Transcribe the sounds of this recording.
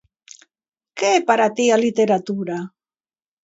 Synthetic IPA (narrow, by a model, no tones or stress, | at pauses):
keepaɾat̪ialit̪eɾat̪uɾa